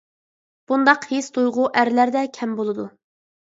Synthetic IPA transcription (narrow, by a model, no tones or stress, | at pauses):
b̥und̪ɑqhest̪ujʁʊʔæɾlæɾd̪ɛkʲʰɛmbolˠɨd̪u